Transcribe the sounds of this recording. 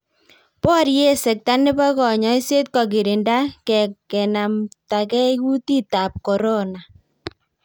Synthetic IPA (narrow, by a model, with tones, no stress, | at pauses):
pɔ˦ɾje˦sɛ˨k̚ta˦nɪ˦ba˦kɔ˨ɲɔ˦i˦se˦t̚kɔ˨k̬ɪ˨ɾɪ˨nda˦kɛ˨kkɛ˨na˨mta˨kɛ˦ku˦ti˦ta˨p̚kɔ˨ɾɔ˦na˨